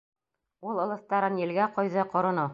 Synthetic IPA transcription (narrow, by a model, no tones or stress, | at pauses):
ulˠŏlˠɤ̆θt̪ɑɾɤnjɘ̆lɡæqɒjðɤqŏɾɤ̆nɤ